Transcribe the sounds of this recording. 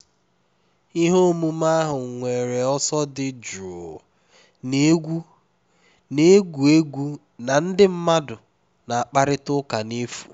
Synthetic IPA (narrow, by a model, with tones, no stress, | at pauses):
i˦ɦo˦mu˦ma˦ɦʊ˨ŋ˨ŋʷe˨ɾe˨ɔ˦sɔ˦dɪ˦d͡ʒu˨o˨ | ne˦ɡʷu˦ | ne˦ɡʷu˨e˦ɡʷu˦ | na˨n̩˦dɪ˦m̩˦ma˦dʊ˨ | na˨a˨k͡pa˦ɾɪ˦tʊ˦ka˨ne˦fu̥̰˨